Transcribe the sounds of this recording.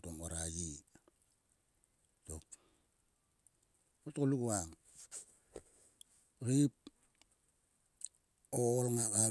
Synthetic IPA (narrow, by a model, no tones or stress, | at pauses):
tomoɾaɡi | tok̚ | otokoluɡuaŋ | ɾip̚ | olŋaka